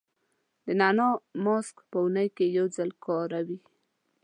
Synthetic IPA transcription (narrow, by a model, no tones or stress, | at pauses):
d̪ənanomoskpəunəjkejawzəlkʰɑɾawi